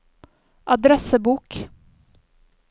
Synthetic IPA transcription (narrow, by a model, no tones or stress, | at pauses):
ʔɑd̪ɾɛsəbuːk